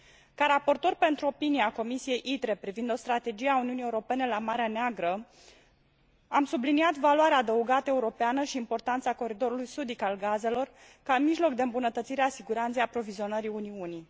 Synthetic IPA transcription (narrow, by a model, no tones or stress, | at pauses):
kaɾapo̞rt̪o̞rʲpe̞nt̪ɾuo̞pinieako̞misije̞jʔit̪ɾe̞pɾivind̪o̞st̪ɾat̪e̞d͡ʒieauniunije̞uɾo̞pe̞ne̞lamaɾeaneaɡɾə | amsubliniat̪valwaɾeaːd̪əuɡat̪əe̞uɾo̞peanəʃiːmpo̞rt̪ant̪sako̞ɾid̪o̞ɾulujsud̪ikalɡaze̞lo̞r | kamiʒlo̞kd̪e̞ɨmbunət̪ət̪siɾeasiɡuɾant̪sejapɾo̞vizio̞nəɾiuniuni